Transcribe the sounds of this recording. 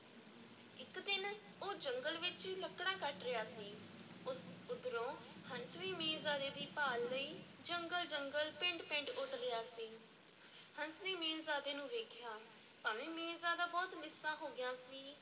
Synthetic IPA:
ɪkd̪ɪn | oːd͡ʒəŋɡəlʋɪt͡ʃiːləkɽaːkəʈɾɪjaːsiː | ʊd̪ɾõːhənsʋiːmeːzaːd̪eːd̪iːpaːlːəiː | d͡ʒəŋɡəld͡ʒəŋɡəlpɪ̃ɳʈpɪ̃ɳʈʊʈlɪjaːsiː | hənsʋiːmeːzaːd̪eːnũːʋeːkʰjaː | paːmẽːmẽːzaːd̪aːbɔːt̪mɪsãːɦoːɡɪjãːsiː

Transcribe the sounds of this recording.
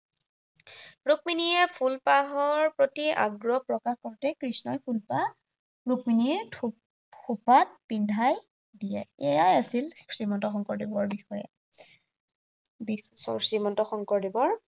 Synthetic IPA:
ɹuk̚miniɛpʰulpaɦɔɹpɹotia̰ɡɹɔpɹɔkaxkɔɹtɛkɹisnɔjpʰulpa | ɹuk̚mini | xopat̚pindʱaj | dijɛɛjajasilsimɔntɔxɔŋkɔɹdibɔɹbixɔjɛ̰ | bisɔsimɔntɔxɔŋkɔɹdibɔɹ

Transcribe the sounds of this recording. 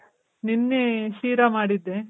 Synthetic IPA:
ninːeʃiːɾamaːɽid̪ːe

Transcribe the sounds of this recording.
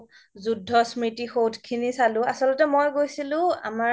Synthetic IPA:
zudʱːɔsmɹitixowdkʰinisalʊ̃asɔlɔtɛmojɡojsilʊ̃a̰ma

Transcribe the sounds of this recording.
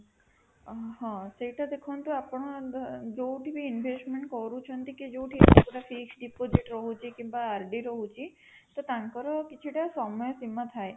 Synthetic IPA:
ɦãseʈad̪ekʰɔnt̪uapɳ̃ɔd͡ʒowʈʰibiːnʋʱesʈmeɳʈkɔɾũt͡ʃʰɔnt̪iked͡ʒowʈʰikɔpoʈafiksɖipod͡ʒiʈɾɔɦũt͡ʃʰiekĩmbaːɾɖiɾɔɦũt͡ʃʰie | t̪ɔt̪ãŋkɔɾɔkit͡ʃʰiʈasɔmɔjɔsimat̪ʰaj

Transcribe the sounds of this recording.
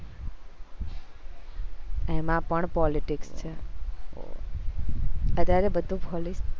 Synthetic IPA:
emãpəɳpɔliʈikst͡ʃʰe | ət̪aɾebəd̪ʱũpɔlis

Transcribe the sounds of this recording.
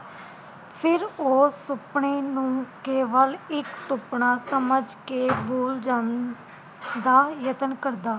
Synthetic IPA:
pʰɪɾoːsʊpɳeːnũːkeːʋəlɪksʊpɳaːsəməd͡ʒkeːbuːld͡ʒaːn | d̪aːjət̪ənkəɾd̪aː

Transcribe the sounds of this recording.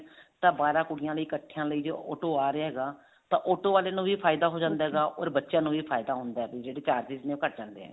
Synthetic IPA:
t̪ãːbaːɾãːkʊɽɪjãːləiːkəʈʰːɪjãːləiːd͡ʒoːɔ̰ːʈoːaːɾeːɦɛːɡaː | t̪ãːʔɔːʈoːʋaːleːnũːʋiːpʰaːɪd̪aːɦoːd͡ʒãːnd̪aːɦɛːɡaːʔɔ̰ːɾbətːʃjãːnũːʋiːpʰaːɪd̪aːɦʊnd̪aːɦɛbid͡ʒeːɽeːt͡ʃaːɾsisnẽːoːkəɾʈ̚d͡ʒãːnd̪eːɛ̰ː

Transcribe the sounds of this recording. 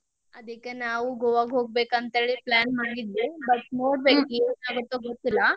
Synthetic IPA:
ad̪ʱikanaʋuɡoʋaɡʱok̚bekãnt̪aɭiplænmaɡit̪lebət̪noɽbekinaɡət̪ɔɡʱot̪la

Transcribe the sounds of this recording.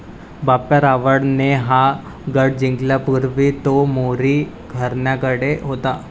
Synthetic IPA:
bapːjaɾaʋəɽneɦa | ɡəɽ̚d͡ʑĩŋɡljapuɾʋit̪omoɾi | ɡʱəɾnjakəɽeɦot̪a

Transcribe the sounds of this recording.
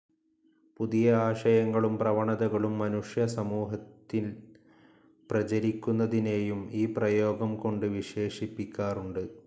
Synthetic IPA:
puðijɐaːʂɐjɐŋːɐɭumprɐʋɐɳɐðɐɣɐɭumːɐnuʂjɐsɐmuːɦɐt̪ːil | prɐt͡ɕɐɾikʲːunːɐðine̞ːjumiːprɐjo̞ːɡɐmko̞ɳɖɨʋiʂe̞ːʂipːikʲːaːruɳɖɨ

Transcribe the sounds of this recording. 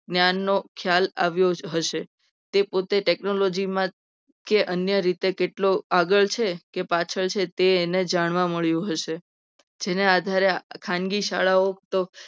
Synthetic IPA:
ɡnjanːokʰjala̰ʋjoɦəʃe | t̪epot̪eʈeknolod͡ʒimã | keʔənjəɾit̪ekeʈloaɡəɭt͡ʃʰekepat͡ʃʰəɭt͡ʃʰet̪eːned͡ʒaɳ̃ʋãməɭjũɦəʃe | d͡ʒenead̪ʱaɾekʰãŋɡiʃaɭaɦok̚t̪o

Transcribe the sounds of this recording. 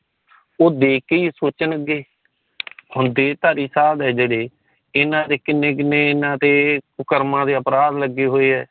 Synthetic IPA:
oːd̪eːkeisoːt͡ʃənəɡeː | ɦhʊ̃nd̪eːt̪aːɾiːsaːd̪ɛːd͡ʒeːɽeː | ɪnãːt̪eːkɪnːẽːk̬ɪnːẽːɪnãːt̪eːpʊkəɾmãːd̪eːəpɾaːd̪ləɡːeːɦoːeːɦɛː

